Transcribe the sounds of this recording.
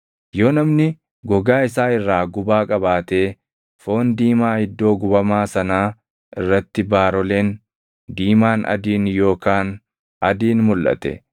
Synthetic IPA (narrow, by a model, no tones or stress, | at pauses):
jo̞ːnɐmnɪ | ɡɔɡaːɪsaːɪrːaːɡʊbaːkʼɐbaːt̪e̞ː | fo̞ːnd̪iːmaːhɪd̪ːo̞ːɡʊbɐmaːsɐnaː | ʔɪrːɐt̪ːɪbaːɾɔleːn | d̪iːmaːnʔɐ̰d̪iːnjo̞ːkaːn | ɐd̪iːnmʊlʔɐ̰t̪ɛ̰